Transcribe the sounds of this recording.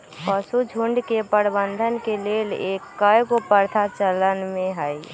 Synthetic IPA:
pəsud͡ʒʱuɳɖkepəɾbənd̪ʱənkelelekːəjkopəɾt̪ʰat͡ʃələnmẽɦəj

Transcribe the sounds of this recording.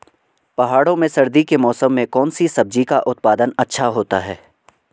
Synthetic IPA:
pɐɦaːɽõmẽsɐɾd̪ikemɔːsəmːẽkɔːnsisɐb̚d͡ʒikaʔʊt̪̚paːd̪ənɐtːʃʰaɦoːt̪aɦɛː

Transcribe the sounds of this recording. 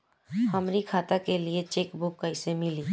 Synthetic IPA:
hɐmɾikʰaːt̪akeliet͡ʃeːkbʊkːɐɪsemɪliː

